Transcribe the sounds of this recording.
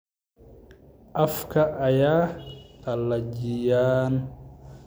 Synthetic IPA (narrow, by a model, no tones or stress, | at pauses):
ʔafkɐʔːjaːt̪ɐlːad͡ʒijaːn